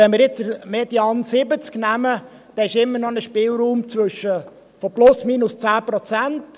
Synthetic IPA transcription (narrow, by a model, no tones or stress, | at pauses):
ɛnmɪɾjɪt͡sd̥əɾmed̥iɑnsɪbət͡sknæmə | d̥ɛɪʃɪmːəɾnɔnəʃpɪːlɾuːmt͡sʋɵʃːə | fɔplʊsmiːnʊst͡sæːpɾɔt͡sænt